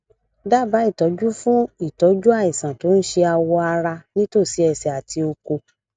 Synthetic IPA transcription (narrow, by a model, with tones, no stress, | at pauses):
da˦˨ba˨˦i˦˨tɔ˨˦d͡ʒu˦fũ˦i˦˨tɔ˨˦d͡ʒu˦a˦˨i˨sã˨to˨˦n̩˦ʃe˧a˧wɔ˧a˧ɾa˧nĩ˦to˦˨si˨˦ɛ˧˨sɛ˨a˨ti˧o˧ko˧